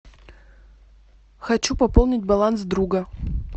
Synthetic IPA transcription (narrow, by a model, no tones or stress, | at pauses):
xɐt͡ʃupɐpolˠnʲɪt̚ʲbɐlˠansd̪ɾuɡɐ